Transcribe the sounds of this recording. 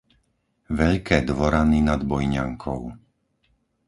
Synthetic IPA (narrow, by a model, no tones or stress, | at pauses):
ʋɛʎkɛːd̪ʋɔɾaninad̪bɔjɲa̰ŋkʰɔʊ